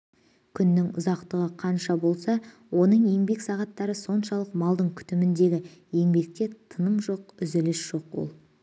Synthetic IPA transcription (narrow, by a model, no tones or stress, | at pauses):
kʲʰʏnːɪŋʊ̰zɑqt̪əʁəqʰɑnʃɑbo̞lˠsɑ | wo̞nəɴje̞ŋbe̞ksɑʁɑt̪ːɑɾəso̞nʃɑlˠəqmɑlˠd̪əɴkʲʰʏ̥t̪ɪmɪnd̪e̞ɡʲɪje̞ŋbe̞k̚t̪ʲe̞t̪ʰənəmʒo̞q̚ʏzɪlɪsʒ̥o̞qwo̞̰lˠ